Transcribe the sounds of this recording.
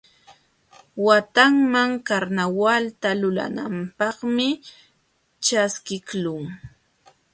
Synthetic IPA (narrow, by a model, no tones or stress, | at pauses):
wat̪aŋmaŋkaɾnawalt̪alʊla̰na̰mpɑχmɪ | t͡ʃaskɪklʊŋ